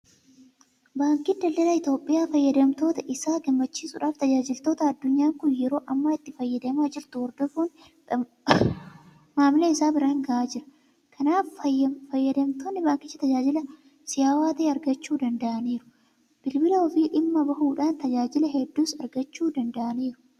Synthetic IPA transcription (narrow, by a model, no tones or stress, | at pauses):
baːŋkɪnd̪ɐld̪ɐlɐɪt̪o̞ːpʼːɪjaːfɐjːɐd̪ɐmt̪o̞ːt̪ɐʔɪsaːɡɐmːɐt͡ʃːiːsʊᶑaːft̪ɐd͡ʒaːd͡ʒɪlt̪o̞ːt̪ɐɐd̪ːʊɲːaːŋkʊnjɛɾo̞ːʔɐmːaɪt̪ːɪfɐjːɐd̪ɐmaːd͡ʒɪɾt̪ʊwɔɾd̪ɔfuːn | maːmleːɪsaːbɪɾaːŋɡɐʔaːd͡ʒɪɾɐ̥ | kʰɐnaːfɐɐfɐjːɐd̪ɐmt̪oːnːɪbaːŋkɪt͡ʃːɐt̪ɐd͡ʒaːd͡ʒɪlɐ | sɪjaːwaːt̪ɐʔeːɐɾɡɐt͡ʃːuːd̪ɐnd̪ɐʔɐniːɾʊ̥ | b̥ɪlbɪlɐɔfiːᶑɪmːɐbɐhuːᶑaːnt̪ɐd͡ʒaːd͡ʒɪlɐhɛd̪ːuːsɐ̰ɾɡɐt͡ʃːuːd̪ɐnd̪ɐʔɐniːɾʊ̥